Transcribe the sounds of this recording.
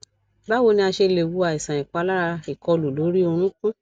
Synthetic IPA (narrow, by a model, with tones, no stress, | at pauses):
ba˦wo˧nĩ˧a˧ʃe˧le˨wu˧˦a˨i˨sã˨ĩ˨k͡pa˨˧la˦ɾa˧i˨kɔ˧lu˨lo˨˦ɾi˦o˧ɾ̃ũ˦kũ˦